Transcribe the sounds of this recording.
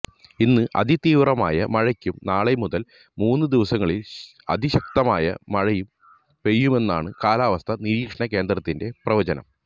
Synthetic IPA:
inːɨʔɐ̰d̪ʱit̪iːʋrɐma̰ːjɐmɐɻɐkʲːumnaːɭemuðɐl | muːnːɨd̪iʋɐsɐŋːɐɭil | ɐ̰d̪ʱiɕɐk̚t̪ɐmaːjɐ̰mɐɻɐjum | pe̞jːume̞nːaːɳɨkaːlaːʋɐst̪ʰɐniɾiːkʂɐɳɐke̞ːnd̪ɾɐt̪ːinde̞prɐʋɐd͡ʑɐnɐ̰m

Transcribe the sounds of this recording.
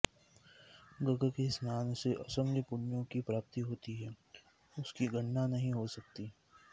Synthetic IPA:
ɡɐɡəkesmaːnseʔɐsəmləpʊnjõkipɾaːp̚t̪iɦoːt̪iɦɛː | ʊskiɡɐɳːanɐɦĩɦosɐk̚t̪i

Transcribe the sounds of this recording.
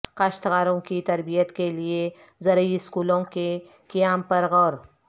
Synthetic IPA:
kɐʃt̪ɣaːɾõkit̪ɐɾbijət̪kelie | zɐɾəiɪskuːlõke | kijaːmpɐɾɣɔːɾ

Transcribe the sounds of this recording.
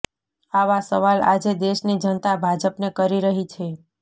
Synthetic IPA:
aʋasəʋala̰d͡ʒed̪eʃnid͡ʒənt̪abʱad͡ʒəpnekəɾiɾəɦit͡ʃʰe

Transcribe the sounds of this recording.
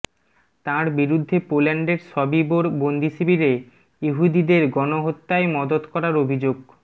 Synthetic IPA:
t̪ãɾbiɾud̪ʱːepolaɳɖeɾʃɔbiboɾbond̪ʱiʃibiɾe | juɦud̪id̪eɾɡɔnoɦot̪ːaemɔd̪od̪kɔɾaɾobʱid͡ʑoɡ

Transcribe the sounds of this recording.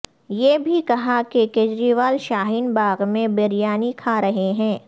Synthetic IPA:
jeːbʱikɐɦakekeːd͡ʒɾiʋaːlʃaːɦiːnbaːɣmẽbɪɾjaːnikʰaɾɐɦeɦɛ̃ː

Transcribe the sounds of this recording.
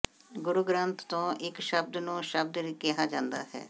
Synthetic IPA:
ɡʊɾuɡɾənt̪ːõːʔɪkʃəb̚d̪nũːʃəb̚d̪ɾikɛɦaːd͡ʒãːnd̪aːɦɛ̰ː

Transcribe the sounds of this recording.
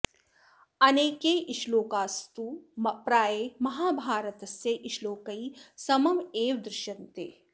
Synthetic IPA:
ɐneːkeʔɪʃloːkaːst̪umpɾaːjemɐɦaːbʱaːɾət̪ɐseʔɪʃloːkɐisɐmɐmeːʋd̪ɾɪʃɐnt̪eː

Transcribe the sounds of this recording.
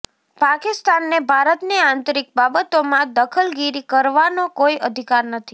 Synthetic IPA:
pakist̪anːebʱaɾət̪niãnt̪ɾik̚babət̪omãd̪əkʰəlɡiɾikəɾʋanokoiəd̪ʱikaɾnət̪ʰi

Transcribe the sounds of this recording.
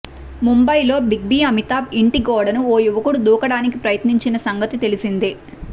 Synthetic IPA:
mumbɐjlo̞ːbiɡ̚biːɐmit̪aːbiɳʈiɡɔːɽɐnuoːjuʋɐkuɽud̪uːkɐɽaːnik̬ipɾɐjɐt̪niɲt͡ʃinɐsɐŋɡɐt̪it̪e̞lisind̪i

